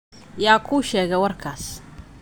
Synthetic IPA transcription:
jaːkʰuːʃɛːɣɛjwɑrkʰaːs

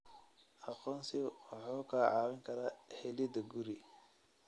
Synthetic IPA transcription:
ʔɑqɔːnsɪwɑħuːkʰɐʕɑːwɪŋkʰɐɾaːhɛlɪd̪ɐɡuɾi

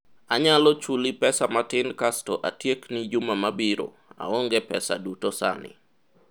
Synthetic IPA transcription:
aɲalɔt͡ʃulipɛsamatɪnkastɔʔatjeknid͡ʒumamabiɾo̰ | a̰ɔŋɡɛpɛsa̰dutosa̰nɪ̰

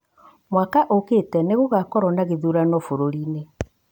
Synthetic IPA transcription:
mwakaʔoketɛneɣoɣakɔɾɔnaɣeðuɾanɔfoɾoɾiːne

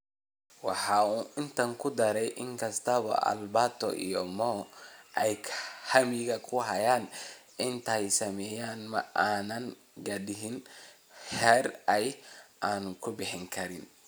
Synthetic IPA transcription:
wɑħɑuːɪnt̪ʰɐŋkʰʊd̪ɐɾɛjʔɪŋkʰɐst̪ʰɐβɐ̰ʔɐ̰lbat̪ʰɔ̰ʔḭjɔmɔːʔɛjkʰhɐmɪɣɐkʰʊɦɐjaːnʔɪnt̪ʰɐjsɐmɛːjaːnmɐʔaːnɐŋ | ɡɐdɪɦɪn | ħɛːrɛjʔaːnkʰʊbɪħɪŋkʰɐɾɪn

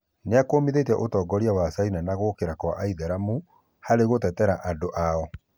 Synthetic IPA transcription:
neakomiðetɛʔotɔːɡɔɾiawasainanaɣokeɾakwa̰ʔaiðaɾamu | haɾeɣotɛtɛɾaʔandoʔaɔ

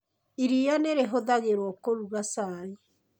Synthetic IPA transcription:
iɾijaneɾeɦoðaɣeɾwɔkoɾuɣasaɾi

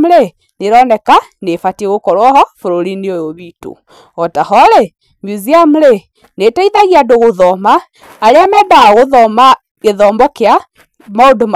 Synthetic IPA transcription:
mlɛ | neɾɔnɛkanefatieɣokɔɾwɔhɔfoɾoɾineojoβito̰ | ɔtahɔɾɛ | mjuziam̩lɛ | netaiðaɣiadoɣoðɔmaː | ɾeamɛdaɣoðɔma | keðɔːmbɔkea | maodom

